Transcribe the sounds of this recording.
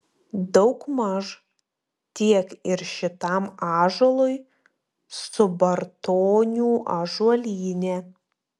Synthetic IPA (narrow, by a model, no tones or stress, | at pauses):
d̪ɔʊkmɐʒ | t̪ʲiɛkɪɾʃʲɪt̪ɑˑmɑːʒolˠʊj | sʊbɐɾt̪oːnʲuːʔɐʒuɔlʲiːnʲɛ